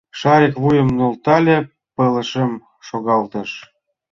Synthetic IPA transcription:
ʃɑɾʲekβujə̆mnolt̪ɑlʲe | pə̆ləʃəm | ʃoɣɑlt̪ə̆ʃ

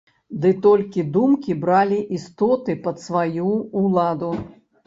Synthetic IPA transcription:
d̪ɨt̪ɔlʲkʲid̪umkʲibɾalʲiʔist̪ɔt̪ɨpɐt̪svajuːlˠad̪u

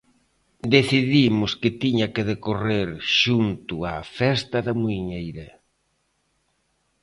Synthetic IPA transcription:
d̪eθiðimʊskɪt̪iɲɐkeðekoreɾʃunt̪ʊa̰fɛst̪ɐðamuiɲejɾe

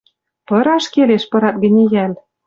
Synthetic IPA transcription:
pɤ̆ɾɑʃkeleʃpɤ̆ɾɑt̪̚ɡə̆nʲejæl

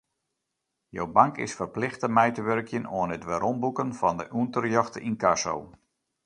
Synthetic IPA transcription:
jo̰wbaŋkɪ̰sfərplɪxtəmɛjtəʋørkjənoənətʋɛɾɔmbukənfɑndə̰ʔuntərjɔxtəinkaso̰w

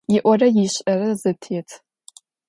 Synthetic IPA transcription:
jɪʔʷɔrɐjiɕʼɐrɐzɨtʰeːtʰ

